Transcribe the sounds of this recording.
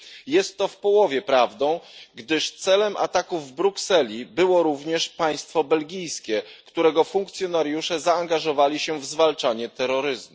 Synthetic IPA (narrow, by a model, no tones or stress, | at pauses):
jɛst̪ːɔfpɔwɔvʲjɛpɾavd̪ɔ̃w̃ɡd̪ɘʂt̪sɛlɛmʔa̰t̪akuvːbɾuksɛlʲibɘwɔɾuvɲɛʂpaj̃st̪fɔbɛlɡʲijskʲɛkt̪uɾɛɡɔfuŋkt̪sʲjɔnaɾjuʂɛzaːŋɡaʐɔvalʲiɕɛvzvalt͡ʂaɲɛt̪ɛɾːɔɾɘzmu